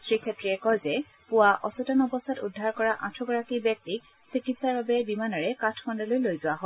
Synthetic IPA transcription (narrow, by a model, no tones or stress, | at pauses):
sɹikʰɛtɹiɛkɔjzɛ | pʊwaʔɔsutɔnɔbɔstʰatudʱːaɹkɔɹaʔãtʰɹɔɡɔɹakibjɛk̚tik̚ | sikitsaɹbabɛbimanɔɹɛkatʰfʰɔndɔlojlojzʊwaɦɔ